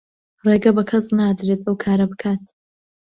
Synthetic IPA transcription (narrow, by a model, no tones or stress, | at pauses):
reːɡɐbɐkʰɐsnaːd̪ɾet̪ɐwkʰaːɾɐbɨkʰaːt̪